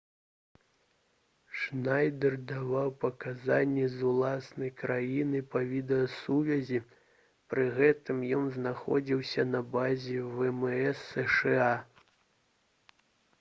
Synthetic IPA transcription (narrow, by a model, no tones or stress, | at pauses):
ʂnajd̪ɛrd̪avawpɐkazanʲːɛzulˠasnɐjkɾajinɨpɐvʲid̪ɛjɐsuvʲɐzʲi | pɾɨɣɛt̪ɨmjɔnznaxɔ̰d͡zʲiwsʲɐnɐbazʲɛvɛmɛɛsːɛʂɛa